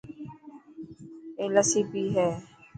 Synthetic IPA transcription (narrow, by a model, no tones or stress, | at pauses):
eːləsibiːɦɛː